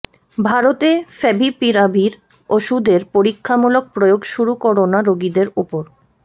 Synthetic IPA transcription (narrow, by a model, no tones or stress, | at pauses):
bʱaɾot̪efɛbʱipiɾabʱiɾ | oʃud̪ʱeɾpoɾikʰːamulok̚pɾojoɡʃuɾukoɾonaɾoɡid̪eɾupoɾ